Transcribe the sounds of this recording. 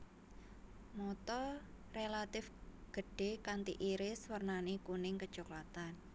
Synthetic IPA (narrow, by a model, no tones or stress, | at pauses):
mɔt̪ɔrelat̪ɪfɡ̥ə̤ɖ̥e̤kant̪ḭʔiɾɪswərnanikunɪŋkə̥t͡ʃoklat̪an